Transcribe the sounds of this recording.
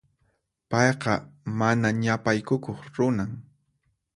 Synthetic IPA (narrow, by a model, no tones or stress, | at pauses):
pɑjqɑmanaɲapajkʊkoχɾʊnaŋ